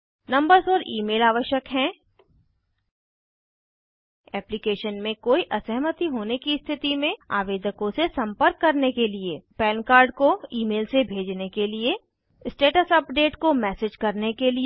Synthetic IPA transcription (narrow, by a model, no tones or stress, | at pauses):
nɐ̃mbəɾsɔːɾiːmeːlaːʋəʃjəkɦɛ̃ | ɛːplikeːʃənmẽkoːiʔɐsəɦmət̪iɦoːnekist̪ʰɪt̪imẽa̰ːʋeːd̪əkõsesɐ̃mpəɾkːɐɾnekeliepɛːnkaːɾɖkoiːmeːlsebʱeːd͡ʒnekelie | sʈeːʈəsɐpɖeːʈkomɛːseːd͡ʒkɐɾnekeli